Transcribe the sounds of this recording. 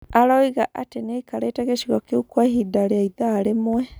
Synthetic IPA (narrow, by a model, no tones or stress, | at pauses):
aɾaiɣaʔateneikaɾaitaɣeʃiɣɔkeukwaɦidaɾeaiðaːɾemwɛ